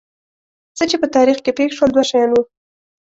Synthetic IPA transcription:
sət͡ʃepət̪ɑɾixkepekʃwəld̪waʃɑjɑnwu

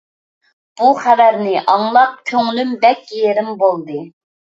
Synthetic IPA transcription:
b̥uχævæɾnɪʔɑŋlˠɑp̚kʲʰøŋlymbɛkʲjeɾɪmbolˠd̪ɨ

